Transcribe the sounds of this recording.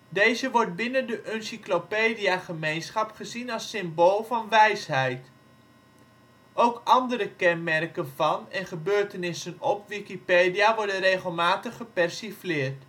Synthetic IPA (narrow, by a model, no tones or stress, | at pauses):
dejzəʋɔrt̚bɪnəndəʔønsiklopeːdiaχəmejnsχɑpχəzinɑlˠsɪmboːlˠvɑnʋɛjsɦɛjt | ʔowkɑndəɾəkɛnmɛrkənvɑnɛnχəbøːɹtənɪsənɔpʋikipeːdijaʋɔɹdənreːχəlˠmaːtəχəpɛrsiflɪːrt